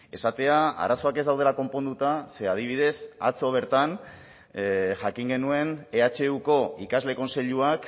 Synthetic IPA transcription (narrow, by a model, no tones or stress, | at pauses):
e̞sat̪e̞aa̰ɾaso̞ake̞zd̪awð̞e̞lako̞mpo̞nd̪ut̪ase̞að̞iβ̞ið̞e̞sa̰t͡so̞β̞e̞ɾt̪an | ʝakiŋɡe̞nue̞neat͡ʃe̞uko̞ikazle̞ko̞nse̞ʎuak